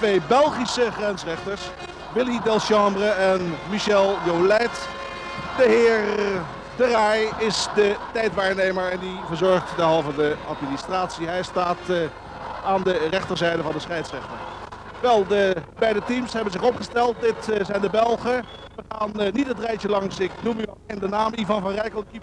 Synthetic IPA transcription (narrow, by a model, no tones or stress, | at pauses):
tʋejbɛlˠχisəχrɛnsrɛχtəɹs | ʋɪlidɛlˠʃɑmbrəɛnmiʃɛlˠjowlɛt | dəɦɪːɹ | dərajɪsdətɛjtʋaːɹnejməɹɛndivəɹzɔɹχtdɛɦɑlˠvədəɑtministraːtsiɦɛjstaːt | aːndərɛχtəɹzɛjdəvɑndəsχɛjtsrɛχtən | ʋɛlˠdəbɛjdətimsɦɛbənzɪχɔpχəstɛlˠt̚dɪtzɛjndəbɛlˠχəʋəχaːnnitətrɛjəlɑŋsɪknumylendənaːmivɑnvɑnrɛjkəlˠki